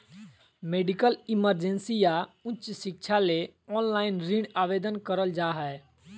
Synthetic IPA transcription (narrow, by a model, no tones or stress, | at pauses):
meːɖikəlɪməɾd͡ʒẽnsijaʊt͡ʃsɪkt͡ʃʰaleɔːnlaːɪnɾɪɽaːʋeːd̪ənkəɾəld͡ʒaːɦɛ